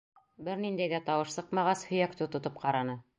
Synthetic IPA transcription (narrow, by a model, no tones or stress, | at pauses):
bɘɾnind̪æjɡæt̪ɑwɤʃsɤqmɑʁɑshɵ̆jækt̪ot̪ŏt̪ɤp̚qɑɾɑnɤ